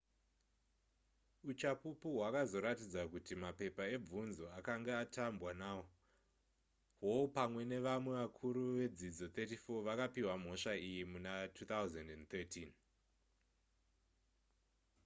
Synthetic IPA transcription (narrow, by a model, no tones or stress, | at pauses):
ut͡ʃapupuɦwakazo̞ɾatid͡zakutimape̞pae̞b͡vunzo̞akaŋɡeatʰambwanawo | ɦopamwe̞ne̞ʋamwe̞ʋakʰuɾuʋe̞d͡zid͡zo̞t̪etifo̞ʋakapiwam̤o̞ʂaijimunatʰuːt̪awzendent̪etʰin